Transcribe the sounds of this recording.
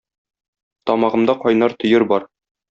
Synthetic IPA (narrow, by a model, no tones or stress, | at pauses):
t̪ɒmɑʁɤ̆md̪ɑqɒjnɑɾt̪ɵ̆jɘɾbɒɾ